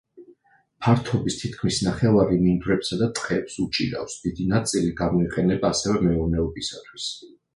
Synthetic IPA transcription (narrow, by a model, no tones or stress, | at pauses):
pʰaɾt̪ʰɔbist̪ʰit̪kʰmisnaχɛvaɾimind̪uɾɛpsad̪at̪ʼqʼɛpsut͡ʃʼḭɾa̰fsd̪̥id̪inat̪sʼiliɡamɔiqʼɛnɛbaːsɛvɛmɛɔɾnɛɔbisat̪ʰwis